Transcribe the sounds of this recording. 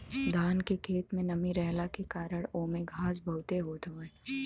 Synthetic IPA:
d̪aːnkekʰeːt̪mẽnɐmiɾɛɦlakekaːɾəɽ̃oːmẽɡʱaːsbʱɐɦʊt̪eɦoːt̪oeː

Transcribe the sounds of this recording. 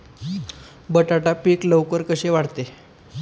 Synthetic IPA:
bəʈaʈapiːkləwkəɾkəɕeʋaɽt̪e

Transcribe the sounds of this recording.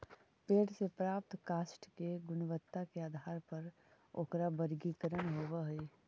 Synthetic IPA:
peːʈsepɾaːp̚t̪kaːsʈkeɡʊnʋət̪ːakeaːd̪ʱaːɾpɐɾ | o̰ːkɾabəɾɡikəɾənɦoːʋaɦe

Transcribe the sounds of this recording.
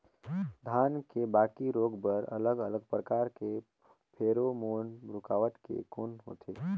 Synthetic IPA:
d̪ʱaːnkebaːkiɾoːɡbəɾɐ̰ləɡələɡpɾəkaːɾke | pʰeːɾomoːnbɾʊkaːʋəʈkḛkoːnɦo̰ːt̪ʰḛː

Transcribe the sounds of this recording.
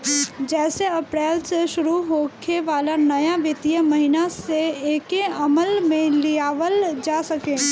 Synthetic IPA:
d͡ʒɛːseɐpɾɛːlseʃʊɾuɦoːkʰeʋaːlanɐjaʋɪt̪ijəmɐɦɪnaseeːkeɐməlmẽlijaːʋəld͡ʒaːsɐkẽː

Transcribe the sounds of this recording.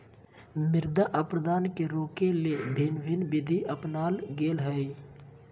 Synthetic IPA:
mɪɾd̪aʔəpɾəd̪aːnkeɾoːkelebʱɪnbʱɪnbɪd̪ʱiʔəpnaːlɡeːlɦəi

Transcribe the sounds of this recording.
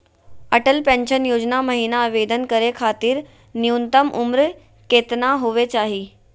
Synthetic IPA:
ɐʈəlpɛ̃nʃənjoːd͡ʑnamɐɦiːnaːʋeːd̪ənkəɾekʰaːt̪iːɾ | niunt̪əmʔʊmɾ | keːt̪naɦuʋet͡ɕaːɦiː

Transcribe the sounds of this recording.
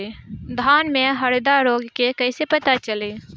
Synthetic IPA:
d̪ʱaːnmẽɦəɽd̪aɾoːɡkekəɪsepət̪at͡ʃəleː

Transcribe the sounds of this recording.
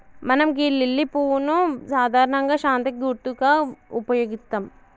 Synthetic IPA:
mɐnɐmɡiːɾlːilːipuːunusaːd̪ʱaːɾɐɳɐŋɡɐʃaːnt̪ɐkːiuʈ̪ːukaupɐjoːɡit̪ːɐm

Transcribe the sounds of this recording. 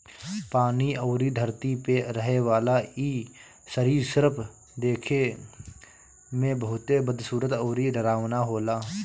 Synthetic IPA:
paːnioːɾid̪ʱəɾt̪ipeɾəɦeʋaːlaiː | səɾiːɾsəɾpʰ | d̪eːkʰe | mẽbəɦʊt̪ebəd̪ʱsuːɾət̪oːɾiɾəɾaːʋnaɦoːlaː

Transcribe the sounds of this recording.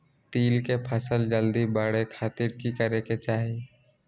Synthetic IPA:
t̪iːlkepʰəsəld͡ʒəld̪ibəɽekʰaːt̪ɪɾkikəɾeket͡ʃaːɦie

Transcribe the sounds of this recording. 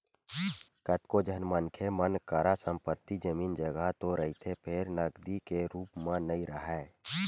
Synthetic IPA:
kət̪kod͡ʒʱənmənkʰemənkaɾasəmpət̪ːid͡ʒəmiːnd͡ʒəɡat̪oɾəɦit̪ʰepʰeɾnəɡd̪ikeɾuːpmãnəĩɾəɦɛː

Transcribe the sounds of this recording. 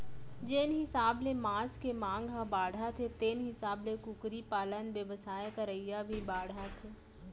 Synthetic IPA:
d͡ʒeːnɦɪsaːblemãːskemãːŋɡɦãbaːɽ̤at̪ʰet̪eːnɦɪsaːblekʊkɾipaːlənʋjəʋəsaːjkəɾəijabʱibaːɽ̤ʱat̪ʰeː

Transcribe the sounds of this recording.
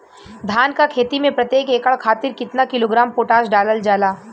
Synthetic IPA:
d̪ʱaːnkakʰeːt̪imẽpɾɐt̪jeːkeːkəɭkʰaːt̪ɪɾkɪt̪nakɪloːɡɾaːmpoːʈaːsɖaːləld͡ʒaːlaː

